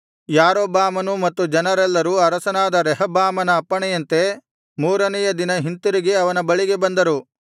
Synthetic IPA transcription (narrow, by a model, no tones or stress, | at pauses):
jaːɾoːbaːmɐnumɐt̪ːud͡ʒɐnɐɾɛlːɐɾuɐɾɐsɐnaːd̪ɐɾɛɦɐbaːmɐnɐːpːɐɳɛjɐnt̪e̞ | muːɾɐnɛjɐd̪inɐɦint̪uɾiɡeɐʋɐnɐbɐɭiɡe̞bɐnd̪ɐɾu